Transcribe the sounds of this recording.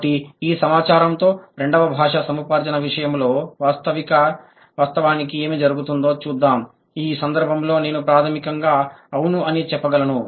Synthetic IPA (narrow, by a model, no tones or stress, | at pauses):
ʈiiːsɐmaːt͡ʃaːɾɐmt̪o̞ːɾe̞ɳɖɐʋɐbʱaːʂɐsɐmupaːɾd͡ʒɐnɐʋiʂɐjɐmlo̞ːʋaːst̪ɐʋikɐ | ʋaːst̪ɐʋaːnikie̞ːmid͡ʒɐɾuɡut̪und̪o̞ːt͡ʃuːd̪ːaːm | iːsɐnd̪ɐɾbʱɐmlo̞ːne̞ːnupɾaːt̪ʰɐmikɐŋɡaːɐʋunuɐnit͡ʃɛpːɐɡɐlɐnu